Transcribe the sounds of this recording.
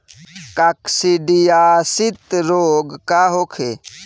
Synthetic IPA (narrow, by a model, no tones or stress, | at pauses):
kaksiɖijaːsit̪ɾoːɡkaɦokʰe